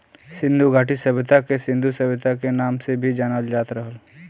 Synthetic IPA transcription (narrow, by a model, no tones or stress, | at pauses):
sɪ̃nd̪ʱuɡʱaːʈisəbɪt̪akesɪ̃nd̪ʱusəbɪt̪akenaːmsebʱid͡ʒaːnəld͡ʒaːt̪ɾəɦəl